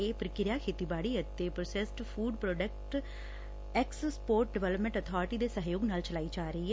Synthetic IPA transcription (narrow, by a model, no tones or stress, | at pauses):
eːpəɾəkɪɾjaːkʰeːt̪iːbaːɽiːət̪ːeːpɾəsesʈpʰuːɖpɾoːɖək̚ʈ | ɛksspoːɾʈ̚ɖɪʋɛːləpmẽɳʈət̪ʰɔːɾɪʈiːd̪eːsəɦjoːɡnaːlt͡ʃəlaːiːd͡ʒaːɾəiːɦɛː